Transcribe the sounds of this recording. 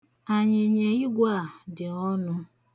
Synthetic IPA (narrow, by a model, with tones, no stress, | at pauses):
a˨ɲɪ˨ɲe˨i˦ɡʷa˦˨dɪ˨ɔ˦nʊ˦